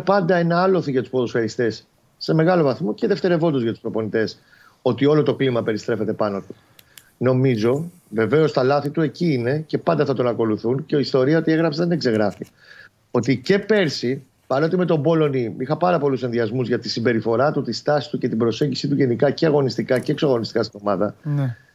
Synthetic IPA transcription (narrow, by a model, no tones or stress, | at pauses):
pɐnd̪ɐe̞nɐɐlo̞θiʝɐt̪u̥spo̞ðosfeɾist̪e̞sː | e̞me̞ɣɐlo̞vɐθmo̞ceðe̞ft̪e̞ɾe̞vo̞nd̪ozʝɐt̪u̥spɾo̞po̞nit̪e̞s | o̞t̪io̞lo̞t̪o̞klimɐpe̞ɾist̪ɾe̞fe̞t̪epɐno̞t̪u̥ | no̞mizo̞ | ve̞ve̞o̞st̪ɐlɐθit̪ue̞ciine̞ce̞pɐnd̪ɐθɐt̪o̞nɐko̞luθunceist̪o̞ɾiɐo̞t̪ie̞ɣɾɐpseðine̞kse̞ɣɾɐfi | o̞t̪ice̞pe̞ɾsi | vɐnot̪ime̞t̪o̞bo̞lo̞niixɐpɐɾɐpo̞lusenðiɐzmuzʝɐt̪isimbe̞ɾifo̞ɾɐt̪ut̪ist̪ɐsi̥st̪uce̞t̪ibɾo̞se̞ɲɟisit̪uʝe̞nikɐceɐɣo̞nist̪ikɐce̞ːksoɐɣo̞nist̪i̥kɐst̪ino̞mɐðɐn